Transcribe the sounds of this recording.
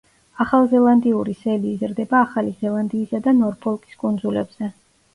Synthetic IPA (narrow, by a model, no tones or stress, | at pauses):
aχalˠzɛlˠand̪iuɾisɛliːzɾd̪ɛbaːχalizɛlˠand̪iːsad̪anɔɾpʰɔlˠkʼi̥skʼund̪zulɛ̰b̥z̥ɛ